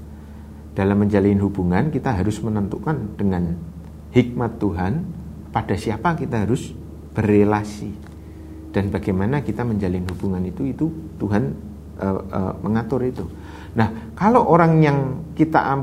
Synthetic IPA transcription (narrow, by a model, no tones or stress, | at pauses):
d̥alamːəɲd͡ʒalinɦubuŋankit̪aɦaɾʊsmənənt̪ukand̥əŋan | hik̚mat̪ːuɦan | pad̥asiapakit̪aɦaɾʊs | b̥ərelasi | d̥anbaɡ̥ajmanakit̪aməɲd͡ʒalɪnɦub̥uŋanit̪uit̪ut̪uɦan | ʔəə̰məŋat̪ʊɾit̪u | nahkaloʔoɾaŋjaŋkit̪a̰ʔam